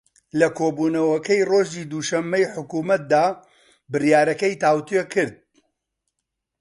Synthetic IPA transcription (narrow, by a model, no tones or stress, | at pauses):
lɐkʰoːbuːnɐwɐkɐjroʒiːd̪uːʃɐmːɐjħʊkuːmɐt̪̚d̪aː | bɨrjaːɾɐkɐjt̪aːwt̪ekʰɨɾd̪̚